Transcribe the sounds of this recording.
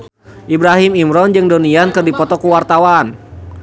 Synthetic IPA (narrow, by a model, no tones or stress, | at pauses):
ʔibɾaɦimimɾɔnd͡ʒɨŋdoniankɨrdipɔt̪ɔkuwart̪awan